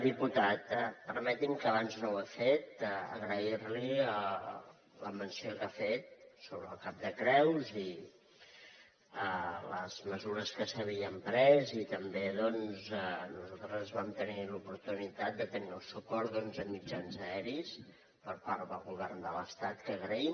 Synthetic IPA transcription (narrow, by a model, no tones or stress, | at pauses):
d̪iput̪at̪əpəɾmɛt̪imkəːβ̞anznowafet̪əə̰ɣɾəiɾliə | ləmənsiokafet̪̚soβɾəːlˠkap̚d̪əkɾɛwzi | ələ̰z̥məzuɾəskəsəβ̞iəmpɾɛzit̪əmbeðɔnzənuzalˠt̪ɾəzβamt̪ənilupuɾt̪unit̪at̪̚d̪ət̪əniəlsupɔɾd̪ɔnzəmid͡ʒanzəɛɾis | pəɾpaɾðəlˠɣuβɛrnd̪ələst̪at̪kəːɣɾəim